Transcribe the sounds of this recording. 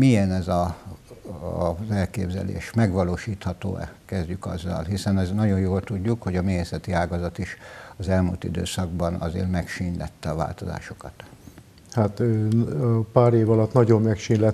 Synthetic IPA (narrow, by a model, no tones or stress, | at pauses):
mijɛnɛzɒ | zɛlkeːbzɛ̰lḛːʃmɛɡʋɒloːʃiːt̪hɒt̪o̰ːɛ̰kɛzɟykɒ̰zːɒ̰lɦisɛnɛznɒɟo̞jjoːlt̪uɟːukho̞ɟɒmeːɦeːsɛt̪iaːɡɒzɒt̪iʃɒzɛlmult̪ḭd̪ø̰ːsɒɡ̚bɒnɒ̰zḛːrmɛkʃinlɛ̰t̪ːɛɒva̰ːlt̪o̞za̰ːʃo̞̥kɒt̪ | hat̪øɒpaːɾeːvɒlɒt̪nɒɟomːɛkʃinlɛ